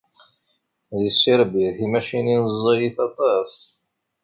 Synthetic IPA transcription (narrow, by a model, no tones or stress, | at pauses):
ðəsːiɾbiɾθimæʃininəzˤːijiθɑt̪ˤɑsˤ